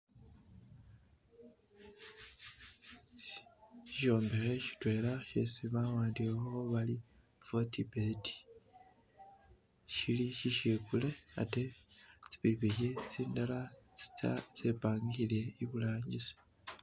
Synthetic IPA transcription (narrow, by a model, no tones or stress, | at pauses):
iʃo̞ːmbexeʃi̥twe̞ːlaʃḛsiβawaːndiwehooβali | v̥o̞tibeti̥ | ʃiliʃiʃekule̞a̰te̞t͡si̥βiβiʃet͡siːndalai̥t͡sepaːŋɡile̞iβulaːɲɟiso̥